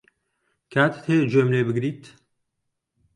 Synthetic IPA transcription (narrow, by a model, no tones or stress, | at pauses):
kʰaːt̪ʰt̪ʰeːd͡ʒomlebɨɡɾiːt̪